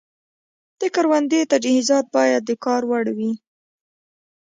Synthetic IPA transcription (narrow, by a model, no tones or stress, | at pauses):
d̪̥əkɑɾwand̪et̪ad͡ʒhizɑt̪̚bɑjad̪ːəkɑɾwaɽwi